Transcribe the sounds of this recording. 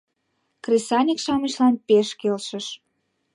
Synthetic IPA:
kresɑnʲikʃɑməʃlɑnpeʃkelʃəʃ

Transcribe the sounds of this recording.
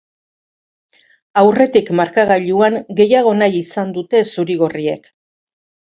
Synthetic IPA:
awre̞t̪ikmaɾkaɣaʎuaŋɡe̞jaɣ̞o̞najisand̪ut̪e̞suɾiɣorie̞̰k

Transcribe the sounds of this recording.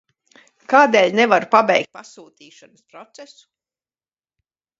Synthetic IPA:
kaːd̪eːlʲnɛvaɾupabɛjk̚t̪̚pasuːt̪iːʃanɐspɾɔt̪sɛsu̥

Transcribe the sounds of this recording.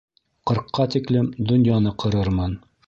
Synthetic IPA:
qɤ̆ɾqːɑt̪iklɘmd̪ŏnjɑnɤqʰɤ̆ɾɤɾmɤn

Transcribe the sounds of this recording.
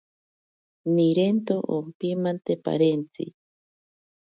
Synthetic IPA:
niɾent̪oʔompimant̪epa̰ɾent͡sḭ

